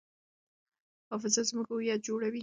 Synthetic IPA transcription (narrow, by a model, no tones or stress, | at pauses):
hɑfɪzazməkajat̪̚d͡ʒoɽawi